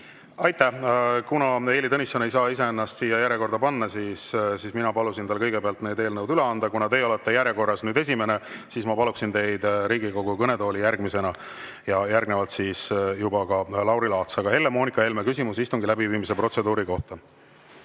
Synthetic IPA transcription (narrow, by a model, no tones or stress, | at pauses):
ɑjt̪ːˑæhkunɑe̞ːlit̪ɤnisɑnejsɑːise̞enːɑst̪siːjːɑjæɾjeko̞rɾd̪̥ɑpɑnːɑsiːssiːsminɑpɑlusint̪ɑlkɤjɡe̞peɑlt̪ne̞ːd̪e̞ːlnɤwd̪yleɑnd̪̥ɑkunɑt̪e̞ːo̞let̪ːe̞jæɾjeko̞rːɑsnyːd̪e̞s̬ʲime̞ne̞siːsmɑpɑluksint̪e̞jd̪̥ɾiːɡiko̞ɡukɤne̞t̪o̞ːlijærɡ̥mise̞nɑ | jɑjærɡne̞vɑlt̪siːsjubɑkɑlɑwɾilɑːt̪sɑɡ̥ɑhe̞lːe̞mo̞ːnikːˑɑe̞lmekysimusist̪uŋɡilæbiviːmis̬epro̞t̪se̞d̪uːɾiko̞ht̪ɑ